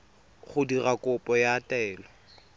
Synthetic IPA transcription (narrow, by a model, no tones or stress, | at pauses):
χʊdirakʼʊpʼɔjaːtʼɛːlɔ